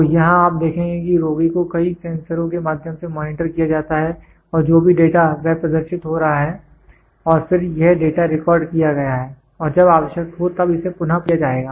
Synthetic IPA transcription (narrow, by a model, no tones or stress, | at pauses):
ojɐɦãaːp̚d̪eːkʰẽːŋɡekiɾoːɡikokɐisɛ̃ːnsəɾõkemaːd̪ʱjəmsemɔːnɪʈəɾkijad͡ʒaːt̪aɦɛ | ɔːɾd͡ʒoːbʱiɖeːʈaʋɛɦpɾɐd̪əɾʃɪt̪ɦoɾɐɦaɦɛː | ɔːɾfɪɾjɛɦɖeːʈaɾɪkɔːɾɖkijaɡɐjaɦɛː | ɔːɾd͡ʒɐbaːʋəʃjək̚t̪ɦot̪ɐbɪsepʊn̤apijad͡ʒaːeːɡaː